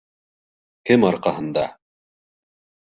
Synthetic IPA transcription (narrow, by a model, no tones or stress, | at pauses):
kɘmɑɾqɑɦɤ̆nd̪ɑ